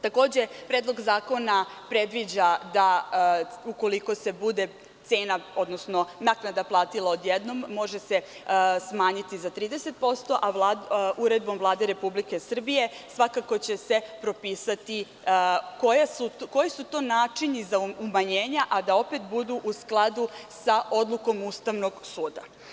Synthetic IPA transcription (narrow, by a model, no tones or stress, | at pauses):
t̪ako̞ːd͡ʑe̞pɾeːd̪lˠo̞ɡzaːko̞napɾe̞d̪ʋid͡ʑad̪a | uko̞liko̞se̞bud̪e̞ | t̪se̞ːnao̞d̪nosno̞naknad̪aplˠaːt̪ilˠao̞d̪jed̪no̞mːo̞ʒesesmaːɲit̪izat̪ɾiːd̪ese̞t̪̚po̞st̪o̞ʔaʋlaʔuɾe̞d̪̚bo̞mvlˠaːd̪e̞ɾe̞publike̞sr̩bije̞sʋakako̞t͡ɕe̞se̞pɾo̞piːsat̪i | kojasuko̞jisut̪o̞ːnaːt͡ʂiɲizaumaɲeːɲaʔad̪ao̞pe̞t̪bud̪uʔusklˠad̪usaʔo̞d̪lˠuko̞must̪aʋno̞ɡsuːd̪a̰